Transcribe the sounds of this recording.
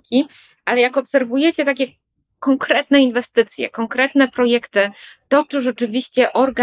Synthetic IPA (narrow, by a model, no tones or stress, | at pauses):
kʲi | ʔalɛjakɔpsɛɾvujɛt͡ɕɛt̪akʲɛ | kɔŋkɾɛt̪nɛinvɛst̪ɘt̪sʲjɛ̰kɔŋkɾɛt̪nɛpɾɔjɛkt̪ɘt̪ɔt͡ʂɨʐɛt͡ʂɘvʲiɕt͡ɕɛʔɔɾɡa